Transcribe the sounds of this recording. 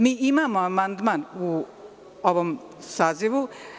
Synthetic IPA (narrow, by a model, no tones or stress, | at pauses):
miimamʌmand̪manu | ʌβʌm | sad͡zebu